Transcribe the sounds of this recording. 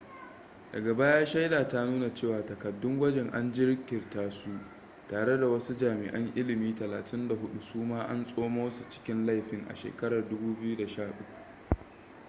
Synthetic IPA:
dɐ˨ɡɐ˨ba˦jaː˦ʃa˦jdaː˨ta˦nuː˦na˨t͡ʃeː˦˨waː˨tɐ˨kɐ˨dːʊ˦ŋɡʷɐ˦d͡ʒɛ˨ŋʔa˦nd͡ʒɪ˦ɾkʲɪ˨rtaː˦su˦ | taː˨ɽe˦da˨wɐ˦su˦d͡ʒaː˨mɪ˨ʔɐ˦ŋʔɪ˦lɪ˨miː˦tɐ˨laː˨tɪ˦nda˨ɦʊ˦ɗu˦suː˦maː˦ʔa˦nsʼoː˦moː˦wsu˨t͡ʃɪ̥˦kʲɪ˦nla˦jɸɪ˦ŋʔa̰˨ʃḛː˨kɐ˦ɽɐ˨rdʊ˦buː˦bɪ˦ju˦da˨ʃaː˦˨ʔʊ˦kʷu̥˨

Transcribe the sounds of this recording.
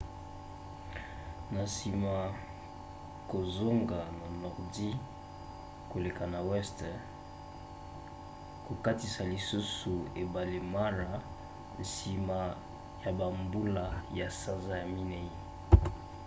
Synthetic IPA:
na˨si˨ma˨ | ko˨zo˦ŋɡa˨na˨nɔ˨ʁdi˦ | ko˨le˨ka˨na˨wɛ˦st | ko˨ka˦ti˨sa˨li˨su˦su˨e˨ba˨le˨ma˦ɾa˨ | n̩˨si˨ma˨ | ja˨ba˨mbu˦la˦ja˨sa˦nza˦ja˨mi˦ne˦i˦

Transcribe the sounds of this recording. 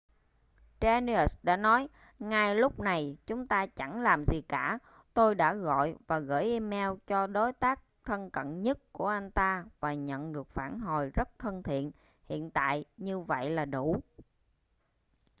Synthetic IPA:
t͡ɕɛ˧ni˧ə˨˩sɗa̰ː˧˥nɔ˨˦j | ŋaː˨˩jlʊ˦˥k͡p̚na˨˩jt͡ɕʊ˨˦ŋ͡mt̪aː˧t͡ɕa˧˩ŋlaː˨˩mzi˨˩kaː˧˩ | t̪o˧jɗa̰ː˧˥ɣɔ̰˧˨jvaː˨˩ɣə̰ː˧˩jʔi˧mɛ˧wt͡ɕɔ˧ɗo˨˦jt̪aː˦˥k̚t̪ʰə˧nkə̰˧˨nɲə˦˥t̚ku˧˩əʔa˧jŋ̟t̪aː˧vaː˨˩ɲə̰˧˨nɗɨ˨˩ək̚faː˧˩nɦo˨˩jzə˦˥t̚t̪ʰə˧nt̪ʰḭ˧˨ən | hḭ˧˨ənt̪a̰ː˧˨jɲɨ˧və̰˧˨jlaː˨˩ɗu˧˩

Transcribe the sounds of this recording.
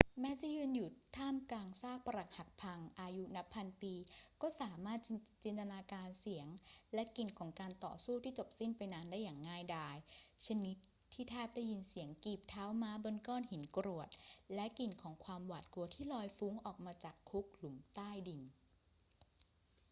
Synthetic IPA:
mɛː˦˥t͡ɕa˨˩jɯː˧nju˨˩t̪t̪ʰaː˥˩mkaː˧ŋsaː˥˩k̚pa˧ɾa˨˩k̚ha˨˩t̪̚pʰa˧ŋʔaː˧ju˦˥na˦˥pʰːa˧npiː˧kɔː˥˩saː˩˦maː˥˩t̪̚t͡ɕi˧nt̪a˧naː˧kaː˧nsi˩˦əŋlɛ˦˥ki˧nkʰɔː˩˦ŋkaː˧nt̪ɔ̰ː˨˩suː˥˩t̪ʰiː˥˩t͡ɕo˨˩p̚si˥˩npa˧jna˦˥ndaː˥˩jːaː˨˩ŋːaː˥˩jdaː˧˩jt͡ɕʰa˧ni˦˥t̪̚ʰːiː˥˩t̪ʰɛː˥˩p̚daː˥˩ji˧nsi˩˦əŋkiː˨˩p̚t̪ʰaː˦˥wmaː˦˥bo˧nkɔː˥˩nhi˩˦nkɾu˨˩ət̪̚lɛ˦˥ʔki˧nkʰɔː˩˦ŋkʰwaː˧mwaː˨˩t̪̚ku˧ɐt̪ʰiː˥˩lɔː˧jfu˦˥ŋʔɔː˨˩k̚maː˧t͡ɕaː˨˩kʰːu˦˥k̚lu˩˦mt̪aː˥˩jdi˧n

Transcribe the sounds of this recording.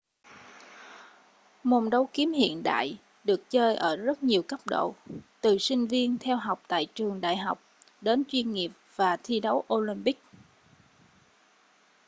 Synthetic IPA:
mo˨˩nɗə˨˦wki˨˦əmhḭ˧˨ənɗa̰ː˧˨j | ɗɨ˨˩ək̚t͡ɕəː˧jʔəː˧˩zə˦˥t̚ɲi˨˩əwkə˦˥p̚ɗo̰˧˨t̪ɨ˨˩sï˧ŋ̟vi˧ənt̪ʰɛ˧wɦa˨˩wk͡p̚t̪a̰ː˧˨jt͡ɕɨ˨˩əŋɗa̰ː˧˨jɦa˨˩wk͡p̚ | ɗe˨˦nt͡ɕwi˧ənŋi˨˩əp̚v̥aː˨˩t̪ʰi˧ɗə˨˦wʔo˧li˧mpï˦˥k̚

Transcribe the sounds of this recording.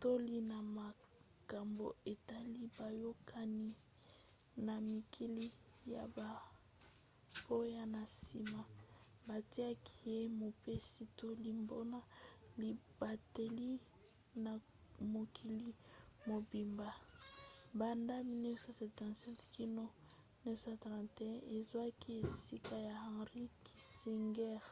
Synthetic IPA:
to˦li˦na˨ma˨ | ka˨mbo̰˨e˨ta˦li˦ba˨jo˦kʰa˦ni˦ | na˨mi˨kʰi˦li˦ | ja̰˨ba˨ | bo˦ja˦na˨si˨ma˨ | ba˨ti˦a˦kʰi̥˨je˦mo˨pe˦si˦to˦li˦mbo˦na˦li˨b̥a˨te˨li˦ | na˨ | mo˨kʰi˨li˦mo˨bi˨mba˨ | ba˨nda˦mi˨ni˦sa˨sɛ˨p̚tã˨tsɛ˦tkʰi˦no˦ | ni˦sa˨tʁã˨nte˨ɛ̃˦ʔe˨zwa˦ki˦e˨si˦ka˦ja˨ã˨ʁi˦ki˨si˨ŋɡɛ˦ʁ

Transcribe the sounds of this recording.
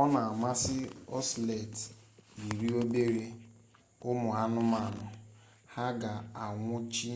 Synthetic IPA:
ɔ˦na˨a˨ma˦sɪ˦ɔ˦sle˨ti˨ɾi˦o˦be˦ɾe˦ | ʊ˦mʊ˨a˦nʊ˦ma˨nʊ˨ | ha˦ɡa˨a˨ŋʷʊ˦t͡ʃi˦

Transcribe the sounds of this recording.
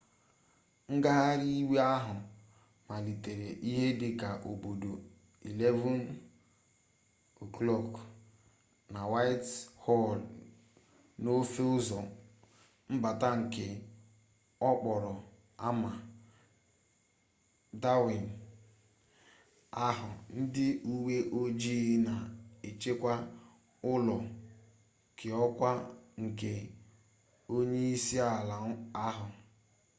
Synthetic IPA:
ŋ̩˦ɡa˦ɦa˦ɾi˦we˦a˦ɦʊ˨ | ma˨li˨te˨ɾe˨ʔi˦ɦe˦dɪ˨ka˨ʔo˨bo˨do˨ | i˨le˦vɔ˦n˨ | klɔ˦˨k | na˨wa˦ɪ˦thɔ˦˨l | no˦fe˦ʊ˦zɔ˨ | m̩˦ba˨ta˦ŋ̩˨kɪ˦ | ɔ˦k͡pɔ˨ɾʊ˨ | a˦ma˨ | da˦wi˨n̩˨ | a˦ɦʊ˨n̩˦dɪ˦u˦we˦ʔo˦d͡ʒi˦na˨e˨t͡ʃe˦kʷa˦ | ʊ˦lɔ˨ | kʰɪ˨ɔ˦kʷa˦ŋ̩˨ke˨ | o˦ɲe˦i˦si˦a˨la˨˦a˦ɦʊ˨

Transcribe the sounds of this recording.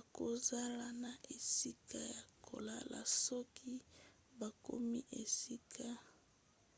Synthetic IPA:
a˨ko˨za˦la˨na˨ʔe˨si˦ka˦ja˨kʰo̰˨la˦la̰˨sɔ˦kʰi˦ | ba˨ko̰˦mi˦ʔe˨si˦kʰa˦

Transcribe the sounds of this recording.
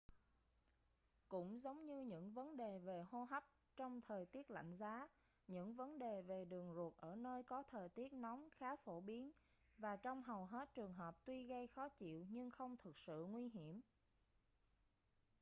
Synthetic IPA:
kʊ̰˧˥ŋ͡mzə˨˦wŋ͡mɲɨ˧ɲɨ̰˧˥ŋvə˨˦nɗe˨˩ve˨˩ho˧ɦa˦˥p̚ | t͡ɕɔ˧wŋ͡mt̪ʰəː˨˩jt̪i˦˥ət̚la̰˧˨jŋ̟zaː˨˦ | ɲɨ̰˧˥ŋvə˨˦nɗe˨˩ve˨˩ɗɨ˨˩əŋzu˨˩ət̚ʔəː˧˩nəː˧jkɔ˨˦t̪ʰəː˨˩jt̪i˦˥ət̚nɔ˨˦wŋ͡mxaː˨˦fo˧˩ɓi˨˦ən | vaː˨˩t͡ɕɔ˧wŋ͡mɦa˨˩wɦe˦˥t̚t͡ɕɨ˨˩əŋɦəː˨˩p̚t̪wi˧ɣə˧jxɔ˨˦t͡ɕḭ˧˨wɲɨ˧ŋxə˧wŋ͡mt̪ʰɨ˨˩k̚sɨ̰˧˨ŋwi˧ɦi˧˩əm

